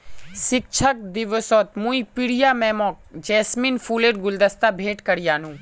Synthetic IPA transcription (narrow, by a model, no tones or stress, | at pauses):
sɪk̚t͡ʃʰək̚d̪ɪʋəsɔːt̪mũipiɽijamɛːmɔːk̚d͡ʒɛːsminfuːleɾɡʊld̪ɐst̪abʱeːʈkɐɾjaːnũː